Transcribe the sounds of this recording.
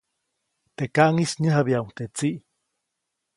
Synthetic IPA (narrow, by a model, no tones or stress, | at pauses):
t̪ekaʔŋisɲəɦabiauŋt̪et͡siʔ